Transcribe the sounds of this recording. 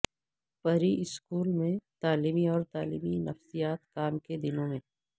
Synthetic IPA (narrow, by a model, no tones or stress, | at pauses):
pɐɾiʔɪskuːlmẽt̪aːliːmiɔːɾt̪aːlḭːminɐfsijaːt̪kaːmked̪ɪnõmẽ